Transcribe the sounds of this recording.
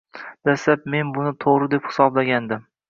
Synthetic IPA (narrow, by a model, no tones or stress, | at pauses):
d̪̥aslap̚me̞nbʊnɪt̪ʰoʁɾɪd̪e̞phɪ̥sɒblaɡʲand̪ɪm